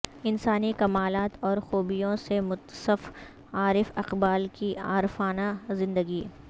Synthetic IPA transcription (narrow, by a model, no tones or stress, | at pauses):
ɪnsaːnikɐmaːlaːt̪ɔːɾxuːbijõsemʊt̪səf | aːɾɪfɐqbaːlkia̰ːɾfaːnazɪ̃nd̪əɡiː